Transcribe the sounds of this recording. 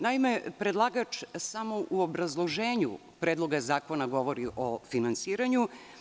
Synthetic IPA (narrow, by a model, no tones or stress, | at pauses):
naime̞pɾed̪lˠaːɡat͡ʂsamo̞ʔuobɾazlˠo̞ʒeːɲṵ | pɾeːd̪lˠo̞ɡazaːko̞naɡo̞ʋo̞ɾiʔofinansiːɾaɲu